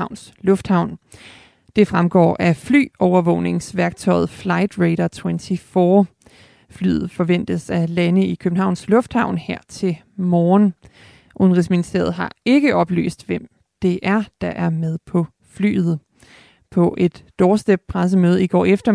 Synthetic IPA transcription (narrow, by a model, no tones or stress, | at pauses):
ʊ̰ns | lɔ̽fd̥hɑ̈ʊ̰n | d̥e̝fʁamɡ̥ɒ̰ːʔæfly̰ːɒʊɐʋɔ̰̽ʊne̝ŋsʋæɐɡ̥̚t͡sʰɒ̽ɪð̩ˠflɑ̈ɪd̥ʁeɪɾɐt͡sʰwent͡sʰifɒː | fly̰ːð̩ˠfɒ̽ʋen̰d̥əsælænəikʰøb̥n̩hɑ̈ʊnslɔ̽fd̥hɑ̈ʊ̰nheɐ̰t͡sʰe̝l | mɒːn | ʔonʁisminisd̥e̝̰ɐð̩ˠɦɑ̈e̝ɡ̥əʔɒ̽b̥ly̰ːsd̥ʋem̰ | d̥e̝ʔæɐd̥ɑ̈ʔæɐmeð̞ˠpʰɒ̽ | fly̰ːð̩ˠ | pʰɒ̽ʔe̝d̥ːɒːsd̥e̥pʰʁas̬əmøːð̞ˠəiɡ̥ɒ̰ːefd̥ɐ